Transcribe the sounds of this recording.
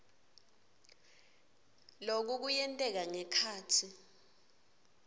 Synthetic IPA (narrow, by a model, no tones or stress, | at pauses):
lok̬uk̬ujɛntʼɛk̬aŋɛkʰaːtʰi